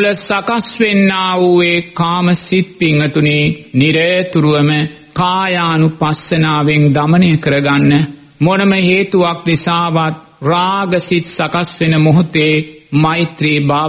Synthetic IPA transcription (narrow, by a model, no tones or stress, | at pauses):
ləsakasʋenːaːuʋeːkaːməsit̪̚piŋːət̪uniːniɾəjt̪uɾuʋəmə | kaːjaːnupasənaːʋeŋd̪amənejəkəɾəɡanːə | monəməɦeːt̪uʋak̚nisaːʋat̪̚ | raːɡəsit̪sakasʋenəmoɦut̪eːmait̪ɾiːbaː